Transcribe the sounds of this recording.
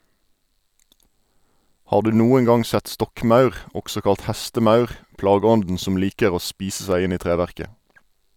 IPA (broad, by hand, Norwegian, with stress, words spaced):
ˈhɑːʁ ˈdʉː ˈnuːəŋ ˈɡɑŋ ˈsɛt ˈstɔkˌmɑʉʁ ˈɔksɔ ˈkɑlt ˈhæstəˌmɑʉʁ ˈplɑːˌɡɔndn̩ ˈsɔm ˈliːkəʁ ˈoː ˈspiːsə ˈsæɪ ˈɪn ˈiː ˈtʁeːʋæʁkə